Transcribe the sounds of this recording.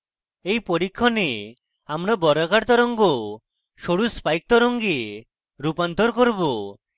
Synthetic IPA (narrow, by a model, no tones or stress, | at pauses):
ejpoɾikʰːɔne | amɾabɔɾakaɾt̪ɔɾɔŋɡo | ʃoɽuspajk̚t̪ɔɾɔŋɡi | ɾupant̪ɔɾkɔɾbo